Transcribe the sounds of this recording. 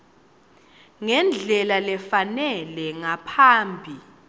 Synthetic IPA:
ŋɛnd͡ɮʱɛlalɛfanɛlɛŋapʰaːmbʱi

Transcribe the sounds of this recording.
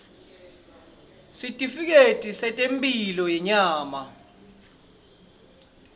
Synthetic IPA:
sitʼifik̬etʼisɛtʼempʼilɔjɛɲaːma

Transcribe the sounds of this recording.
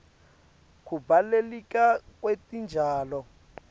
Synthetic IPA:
kʰubalelikakʼwetʼind͡ʒʱaːlɔ

